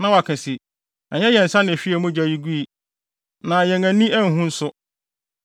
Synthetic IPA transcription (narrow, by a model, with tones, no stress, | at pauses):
nã˦wa˨kʰɪ̃˨si˨ | ɛ˨ɲɛ˦jɛ˨n̩˨sã˦nɪ̃˨ɕᶣi˦e˨mʊ̃˦d͡ʑa˨ji˦ɡu˦i˨ | nã˨jɛ̃˨ŋæ̃˨nĩ˦æ˦ŋ̩˦ɦũ˦n̩˦sʊ˦